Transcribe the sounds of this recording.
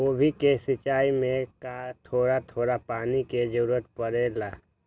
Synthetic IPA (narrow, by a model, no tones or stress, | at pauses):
oːbʱikesɪt͡ʃaːimẽkat̪ʰoːɾat̪ʰoːɾapaːniked͡ʒəɾuɾət̪pəɾeːlaː